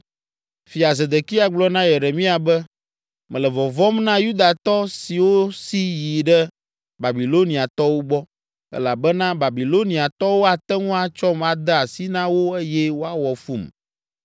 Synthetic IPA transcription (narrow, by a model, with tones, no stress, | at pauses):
fi˨a˨ze˨d̪e˨ki˦a˨ɡ͡blɔ˦nã˦je˨ɖe˨mĩ˦a˨bɛ˦ | mɛ̃˨lɛ˨vɔ˨vɔ˦mnã˦ju˦d̪a˨t̪ɔ˦si˨wo˦si˦ji˨ɖɛ˦ | ba˨bi˨lo˦nĩ˨a˨t̪ɔ˦wo˦ɡ͡bɔ˦ | ɛ̰˦la˨bɛ˦nã˦ba˨bi˨lo˦nĩ˨a˨t̪ɔ˦wo˦a˨t̪ɛ˦ŋũ˦a˨t͡ʃɔ˦ma˨d̪ɛ˦a˨si˦nã˦wo˦e˦jɛ˦wo˦a˦wɔ˨fu˦m